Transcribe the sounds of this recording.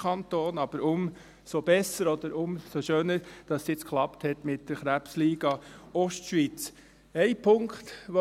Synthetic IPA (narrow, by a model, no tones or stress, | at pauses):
ɑnt̪oːnɑb̥əɾʊm | sob̥ɛsəɾɔd̪əɾʊmsoʃøːnəɾd̥ɑssjɪt͡skχlɑpthɛt̪mɪt̚d̥əɾχɾæpsliːɡ̥ɑɔʃtʃʋit͡s | ɛɪpʰʊŋkt̪ʋo